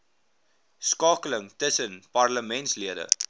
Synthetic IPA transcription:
skɑːkələŋtəsənpɐrləmɛntsliəɾə̰

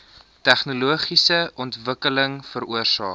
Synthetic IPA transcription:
tæχnuluəχisəʔɔntvəkələŋfəɾuərsɑː

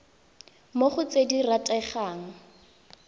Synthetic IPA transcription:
moχʊt͡sediratʼɛχaːŋ̩

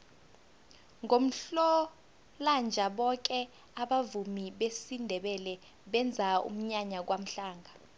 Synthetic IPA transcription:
ŋʱom̩ɬɔ | land͡ʒʱaɓɔk̬ɛ | aɓavumiɓesindʱɛɓɛlɛ | ɓɛnd͡zʱaṵm̩ɲaɲak̬wam̩ɬaːŋʱa

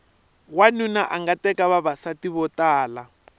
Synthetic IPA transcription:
wanunaʔaŋɡatɛkaβaβasatiβɔtaːla

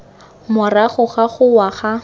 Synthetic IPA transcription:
mʊraχʊχaχʊwaχa

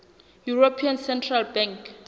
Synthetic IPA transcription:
juropʰiansɛntʰralbɛ̃ŋk

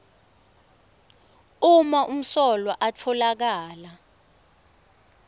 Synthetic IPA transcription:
umaʔum̩sɔlwaʔat͡fʰɔlak̬aːla

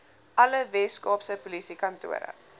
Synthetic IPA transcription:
ʔɐləvɛskɑːpsəpulisikɐntṵə̰ɾə̰

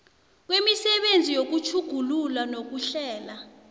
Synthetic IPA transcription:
k̬wemisɛɓend͡zʱijok̬ut͡ʃʰuɡ̥ʱululanok̬uɬɛːla

